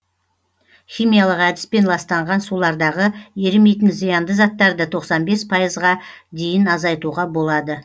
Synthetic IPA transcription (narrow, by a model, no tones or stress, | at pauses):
χʲijmijalˠəqæd̪ɪ̥spe̞nlˠɑst̪ɑɴʁɑnsulˠɑɾd̪ɑʁəje̞ɾɪmejt̪ɪnzijɑnd̪əzɑt̪ːɑɾd̪ət̪ʰo̞qsɑnbe̞spʰɑjəzʁɑd̪e̞jɪnɑzɑjt̪uʁɑbo̞lˠɑd̪ə